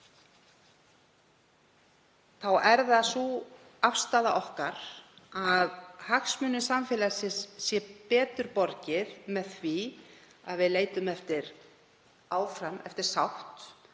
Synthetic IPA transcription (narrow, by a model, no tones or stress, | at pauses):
θawɛɾðasu | afst̪aːðaʔɔhkaɾ̥aðhaxsmʏnːʏsamfɪːlasɪsːjɛpɛːt̪ʏɾpɔɾcɪðmɛðθvi | a̰ðvɪðleːjt̪ʏmɛft̪ɪɾ | aːwfɾamɛ̰ft̪ɪɾ̥sawht̪